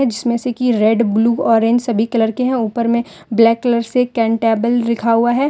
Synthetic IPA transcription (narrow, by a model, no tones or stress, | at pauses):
ɛ̃d͡ʒɪsmẽsekiɾɛːɖbluːɔːɾẽːɲd͡ʒsɐbʱikɐləɾkeɦɛ̃uːpəɾmẽ | blɛːkːɐləɾsekɛ̃ːɳʈɛːbəlɾɪkʰaɦuaɦɛː